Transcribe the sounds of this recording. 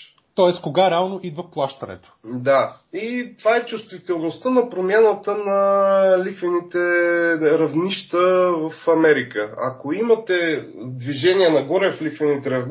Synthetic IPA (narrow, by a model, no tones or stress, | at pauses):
t̪ɔɛskoɡaɾɛalˠnoʔid̪vəplˠaʃt̪ənɛ̰t̪o̥d̪a | it̪ovaɛt͡ʃust̪vit̪ɛlˠnost̪ənɐpɾomʲjanət̪ənɐlixvɛnit̪ɛ | ɾɐvniʃt̪əvəfɐmɛɾikəɐ̰koimɐt̪ɛd̪viʒɛniənɐɡɔɾɛflikvɛnit̪ɛɾɐvn